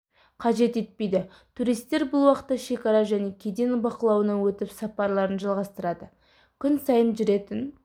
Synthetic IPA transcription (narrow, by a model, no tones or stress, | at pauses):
qʰɑʒe̞t̪e̞t̪̚pe̞jd̪ɪ | t̪ʰuɾijst̪ːe̞ɾbʊlˠwɑqə̥t̪ːɑʃe̞kɑɾɑʒæne̞kʲʰed̪enbɑqəlˠɑwənɑwɵt̪ɪpsɑpɑɾlˠɑɾənʒɑlˠʁɑst̪əɾɑd̪ə | kʲʰʏnsɑjənʒʏɾe̞t̪ɪn